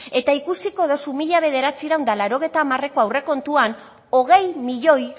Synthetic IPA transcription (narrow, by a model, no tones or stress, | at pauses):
e̞t̪aikusiko̞ðo̞sumiʎaβ̞e̞ð̞e̞ɾat͡siɾawnd̪alaɾo̞ɣ̞ejt̪aːmare̞ko̞awre̞ko̞nt̪uan | o̞ɣ̞e̞jmiʎo̞j